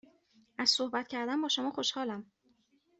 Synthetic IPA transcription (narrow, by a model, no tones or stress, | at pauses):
ʔæz̥sohbæt̪cʰæɾd̪æmbɒːʃo̞mɒːxo̞ʃhɒːlæm